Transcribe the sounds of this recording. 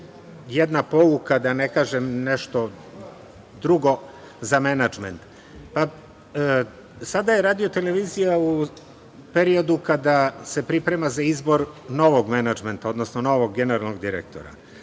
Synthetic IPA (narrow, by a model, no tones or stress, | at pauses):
jed̪napo̞lukad̪anekaːʒemneʃt̪o̞ | d̪ɾuɡo̞ | zamenad͡ʒment̪ | pa | sad̪ajeɾaːd̪iot̪e̞le̞ʋiːzijau | pe̞ɾio̞d̪ukad̪ase̞pɾipɾe̞mazaizbo̞ɾno̞ʋo̞ɡmenad͡ʒment̪ao̞d̪nosnono̞ʋo̞ɡɡene̞ɾalˠnoɡd̪iɾḛk̚t̪o̞̰ɾa̰